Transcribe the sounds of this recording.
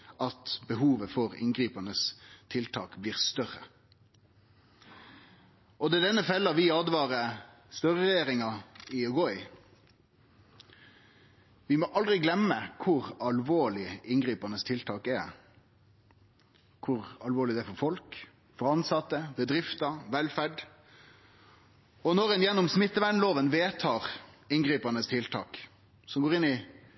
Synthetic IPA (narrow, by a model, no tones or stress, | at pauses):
ʔɑt̪bəɦuːʋəfɔɾɪ̰nɡʁiːpɑnəst̪ʰɪlt̪ʰɑːkbliːʁst̪œɾə | ɔd̪ɛːd̪ɛnːəfɛlːɑʋɪɑːd̪ʋɑːɾə | st̪œʁəʁɛjeːɾɪŋɑɪʉɡɔʏ | ʋɪmoːʔɑld̪ʁɪɡlɛməkʰʊɾɑlʋoːɭɪɪnɡɾiːpɑnəst̪ʰɪlt̪ʰɑːkɛ | kʰʊʁɑlʋoːɭɪd̪ɛæfɔɾfɔlk | fɔɾɑnsɑt̪ːəbəd̪ɾɪft̪ɑʋɛlfæɖ | ɔnɔɾɛnjɛnːɔmsmɪt̪ːəʋæɳloːʋənʋeːt̪ʰɑːʁɪnɡʁiːpɑnəst̪ʰɪlt̪ʰɑ̰ːk | sɔmɡoːʁɪnːɪ